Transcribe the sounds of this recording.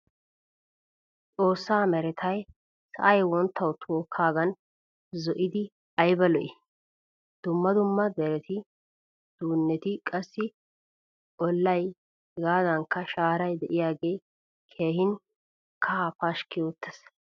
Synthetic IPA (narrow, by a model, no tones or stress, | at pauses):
t͡sʼo̞ːsːaːmɛɾɛt̪ʰɐj | sɐ̰ʔɐjwɔnt̪ʰːɐwt̪ʰoːkʰːaːɡɐn | zɔʔɪd̪ɪ | ɐjbɐlɔʔɪ | d̪̥ʊmːɐd̪ʊmːɐd̪ɛɾɛt̪ɪ | d̪̥uːnːɛt̪ɪkʼɐsːɪ | ʔɔlːɐj | hɡaːd̪ɐŋkːɐʃaːɾɐjd̪ɛʔɪjaːɡeː | kʰeːhɪn | kʰɐːpaʃkɪjoːt̪ːɛs